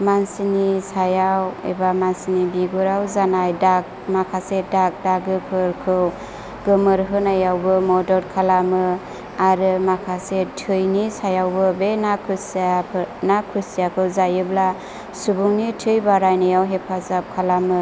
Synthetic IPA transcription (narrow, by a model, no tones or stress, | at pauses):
mansinisajawḛbamansinibiɡuɾawzanajdak̚ | makʰasedak̚daɡɯkʰɯɾkʰɯw | ɡɯmɯɾɦɯnajawbɯmɔdɔɾkʰalamɯ | aɾɯmakʰasetʰɯjnisajawbɯbenakʰɯsijapʰnakʰusijakʰɯwzajɯbla | subuŋnitʰɯjbaɾajnɯjawɦepʰazap̚kʰalamɯ